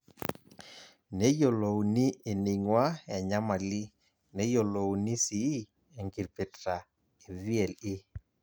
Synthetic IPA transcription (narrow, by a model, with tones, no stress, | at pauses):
ne˦jo˨lo˨wni˦e˨ni˨ŋwa˦ɛ˨ɲa˦ma˨li˦ | nɛ˦jo˨lo˨wni˦si˨˦ | e˨ŋɡi˨ɾpe˨tɾa˨ | e˨vi˦ɛ˨lɪ˦